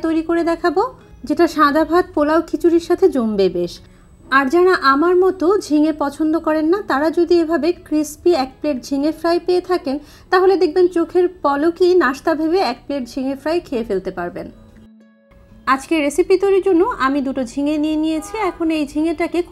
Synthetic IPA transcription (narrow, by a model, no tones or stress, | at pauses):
t̪ojɾikoɾed̪ɛkʰabo | d͡ʑeʈaʃãd̪ʱabʱat̪̚polaokʰit͡ɕuɾiɾʃat̪ʰed͡ʑombebeʃ | aɾd͡ʑɛnaʔamaɾmɔt̪od͡ʑʱiŋepɔt͡ɕʰond̪okɔɾenːat̪aɾad͡ʑod̪iebʱabekɾispiɛk̚pleʈ̚d͡ʑʱiŋefɾajpeet̪ʰaken | t̪aɦoled̪ek̚ʰbent͡ɕokʰeɾpɔlokinaʃt̪abʱeβeɛk̚pleʈ̚d͡ʑʱiŋefɾajkʰeefelt̪epaɾben | ad͡ʑkeɾesipit̪oɾiɾd͡ʑonːoʔamid̪uʈod͡ʑʱiŋenienijet͡ɕʰiɛkʰonoejd͡ʑʱiŋeʈake